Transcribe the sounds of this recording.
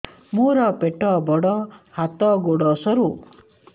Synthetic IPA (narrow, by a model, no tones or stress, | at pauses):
muɾɔpeʈɔbɔɽɔhat̪ɔɡoɽɔsɔɾu